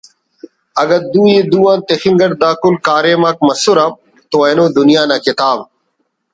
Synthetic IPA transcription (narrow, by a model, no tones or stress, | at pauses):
ɐɡɐɾd̪uːjeːd̪uːãːnt̪exiŋɡɐɽd̪aːkulkaːɾeːmaːk̚mɐsuɾam | t̪oenõːd̪ʊnijaːnaːkɪt̪aːb